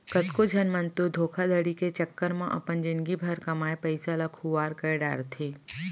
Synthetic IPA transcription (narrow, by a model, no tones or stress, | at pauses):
kɐt̪kod͡ʒʱɐnmənt̪ud̪ʱoːkʰad̪ʱəɽiket͡ʃəkːəɾmãʔɐ̰pənd͡ʒɪnɡibʱɐɾkɐmaːjpəɪsalakʰuʋaːɾkəɖa̰ːɾt̪ʰeː